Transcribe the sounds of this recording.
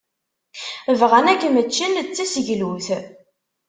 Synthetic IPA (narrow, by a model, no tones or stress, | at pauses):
əvʁənækːmət͡ʃːənt͡sːæsəʝluθ